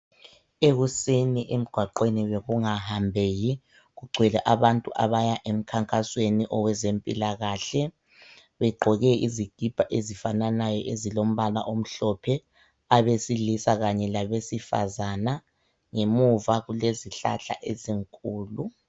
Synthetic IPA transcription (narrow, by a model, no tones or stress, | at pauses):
eɣuseniʔem̩ɡ̥ʱwaǃweniβeɣuŋahambʱeji | ɣuɡ͡ǃʱwɛlɛʔaβantʼuʔa̰βajaʔem̩kʰaŋkʼasweniʔɔwɛzempʼḭlaɣaːɬɛ | βɛɡ͡ǃʱɔɣɛiziɡ̥ʱib̥ʱaʔezifananajɔʔezilom̩βala̰ʔom̩ɬɔpʰɛ | aβesilisaɣaɲɛlaβesifa̰zana | ŋemuvaɣuleziɬa̰ɬa̰ʔeziŋkʼuːlu